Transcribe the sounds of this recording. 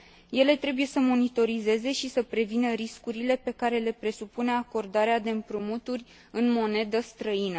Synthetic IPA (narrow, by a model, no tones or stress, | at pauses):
je̞le̞t̪ɾe̞buje̞səmo̞nit̪o̞ɾize̞ze̞ʃisəpɾe̞vinəɾiskuɾile̞pe̞kaɾe̞le̞pɾe̞supune̞ako̞rd̪aɾead̪e̞ɨmpɾumut̪urʲ | ɨnmo̞ne̞d̪əst̪ɾəinə